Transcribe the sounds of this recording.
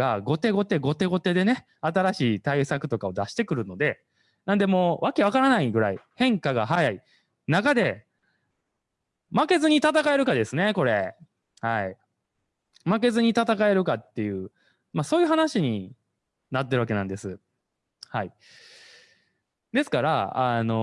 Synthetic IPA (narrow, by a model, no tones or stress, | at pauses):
aɡo̞t̪e̞ːɡo̞t̪e̞ːɡo̞t̪e̞ːɡo̞t̪e̞ːd̪e̞ne̞ | at̪aɾaɕiːt̪aisakɯ̟t̪o̞kao̞d̪aɕi̥t̪e̞kɯ̟ɾɯ̟no̞d̪e̞ | nãnd̪e̞mo̞ːβake̞βakaɾanaiɡɯ̟ɾa̰ihẽ̞ŋkaɡaɦajai | nakad̪e̞ | make̞zɨɲ̟it̪at̪akae̞ɾɯ̟kad̪e̞sɨne̞ko̞ɾe̞ | hai | make̞zɨɲ̟it̪at̪akae̞ɾɯ̟kat̪ːe̞jɯ̟ː | maso̞ːjɯ̟ɦanaɕiɲ̟i | nat̪̬ːe̞ɾɯβakenãnd̪e̞sɨ | hai | d̪e̞sɨ̥kaɾa̰ano̞